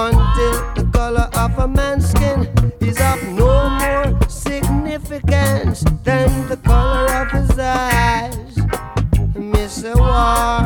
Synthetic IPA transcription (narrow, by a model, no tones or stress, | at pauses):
ə̃ntɪlˠðəkʌlˠə˞ʔʌvəmæ̃nskɪ̃nɪzʌvnomɔɹsɪɡ̚nɪfɪkə̃nsðɨ̃nðəkʰʌlˠə˞ʌv̥ɪza | z | mɪsə˞wɔ